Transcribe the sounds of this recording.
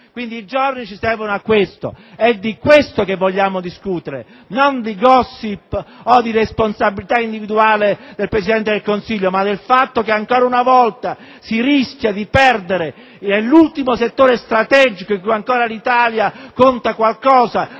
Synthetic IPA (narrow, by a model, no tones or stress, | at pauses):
kwind̪iːd͡ʒornit͡ʃisɛvonoakːwest̪o̰ | ɛd̪ːikwest̪okevːoʎːaːmod̪iskut̪eɾḛ | nond̪iɡɔsːipːod̪iɾesponsabilit̪aind̪ivid̪uaːled̪elpɾes̬id̪ɛnt̪ed̪elkonsiʎːomad̪ːelfat̪ːokeaŋkoːɾaunavɔlt̪a | siɾiskʲjad̪ipɛrd̪eɾe | nelːult̪imoset̪ːoːɾest̪ɾat̪ɛd͡ʒikoiŋkujaŋkoːɾalit̪aːljakont̪akwalkɔːza